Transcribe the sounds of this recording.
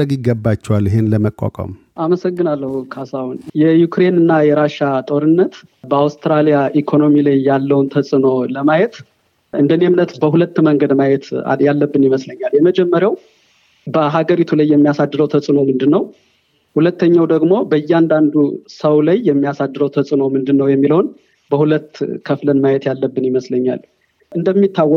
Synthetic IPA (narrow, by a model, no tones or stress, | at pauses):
əɡɪɡːəbːat͡ʃːɛwalːɪɦenləməkʼːa̰kʼə̰m | ʔaməsəɡːɨnalːəhukʰasawunjɛjukɾe̞nɨnːajɛɾaʃat̪ʼo̞ɾɨnːət̪ | bəawst̪ɾalijaʔikʰo̞no̞milajːalːəwnt̪ʰəsʼɨno̞ləmajɛt̪ | ɨnd̪ənemnət̪ɨsbəɦulət̪ːməŋɡəd̪majɛt̪ʰa̰jalːəbːɨnjɪməsləɲːaljɛməd͡ʒɛmːəɾjaw | bəɦaɡəɾit̪ʰulajːɛmːijasad̪ːɨɾəwt̪ʰəsʼɨno̞mɨnd̪ɨnːəw | hulət̪ːəɲːawd̪əɡmo̞bəjːand̪and̪usəwlajːɛmːijasad̪ːɨɾəwt̪ʰəsʼɨno̞mɨnd̪ɨnːəwjɛmːilhon | bəhulət̪ːkʰəflənmajɛt̪jalːəbːɨnjɪməsləɲːa̰l | ʔɨnd̪əmːit̪ʰːawːɔ